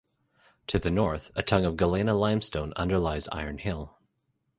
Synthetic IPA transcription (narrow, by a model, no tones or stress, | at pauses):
tʰɨðɨnɔɹθɨtʰʌ̃ŋʌvɡəlẽnəlãɪ̃mstõʊ̃nʌ̰̃ndə˞laɪza̰ɪə̃˞nhɪlˠ